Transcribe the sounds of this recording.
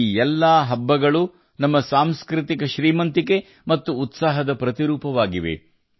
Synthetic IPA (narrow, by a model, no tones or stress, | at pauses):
ɛlːaːɦɐbːɐɡɐɭu | nɐmːɐsaːmskɾɪt̪ikɐʃɾiːmɐnt̪ike̞ | mɐt̪ːuːt̪saːɦɐd̪ɐpɾɐt̪iɾuːpɐʋaːɡiʋḛ